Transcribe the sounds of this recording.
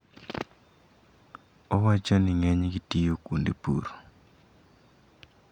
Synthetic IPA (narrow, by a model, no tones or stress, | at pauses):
ɔwat͡ʃonɪŋɛɲɡitijokundḛpṵɾo